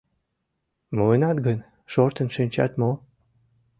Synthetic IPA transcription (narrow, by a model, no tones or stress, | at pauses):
moenɑt̪ɡən | ʃort̪ənʃinʲt͡ɕɑ̰t̪mo